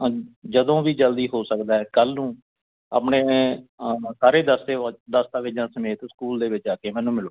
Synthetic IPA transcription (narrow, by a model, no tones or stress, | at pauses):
d͡ʒəd̪õːʋiːd͡ʒəld̪iːɦoːsəkd̪aːɦɛːkəlnũː | ə̰ːpɳeː | saːɾeːd̪əst̪eːd̪əst̪aːʋɪd͡ʒãːsəmeːt̪skuːld̪eːʋɪt͡ʃaːkeːmɛ̃ːnũːmɪloː